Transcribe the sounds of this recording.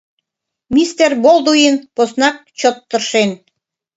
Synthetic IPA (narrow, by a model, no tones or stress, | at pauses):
mist̪erbolˠd̪ujinposnɑk̚t͡ɕot̪ːə̆rʃen